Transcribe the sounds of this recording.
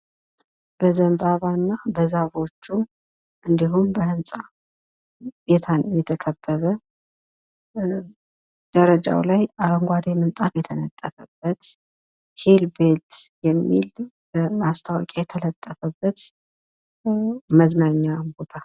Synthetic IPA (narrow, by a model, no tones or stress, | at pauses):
b̥əzəmbaβanːabəzaβo̞t͡ʃːu | ʔɨnd̪iɦumbəhɨnsʼa | bet̪ʰanjɛt̪ʰəkʰəbːəβə | d̪̥əɾəd͡ʒa̰wlajaɾəŋɡʷad̪emɨnt̪ʼafjɛt̪ʰənət̪ʼːəfəb̥ːət̪ | helbet̪jɛmːḭl | bəmast̪ʰawkʼajɛt̪ʰələt̪ʼːəfəbːət̪ | məznaɲːambo̞t̪ʰa